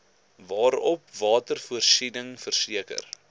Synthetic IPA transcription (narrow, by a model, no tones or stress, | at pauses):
vɑːɾɔp̚vɑːtərfuərsinəŋfərsiəkə̰r